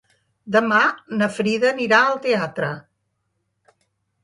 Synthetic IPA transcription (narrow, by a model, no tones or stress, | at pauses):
d̪əmanəfɾiðəniɾaəlˠt̪eat̪ɾə